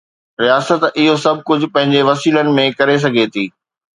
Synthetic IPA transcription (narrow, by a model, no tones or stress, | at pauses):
ɾijaːsət̪ɪɦosɐb̚ʱkʊd͡ʑ̆ʱpɐ̃ɦɪ̃ɲd͡ʑeʋɐsiːlənɪ̆mẽkɐɾes̬ɐɡʱet̪ʰiː